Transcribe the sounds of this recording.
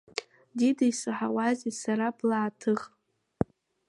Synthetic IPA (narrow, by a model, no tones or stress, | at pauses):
didajsɨħawazisaɾablaːtʰɨʁ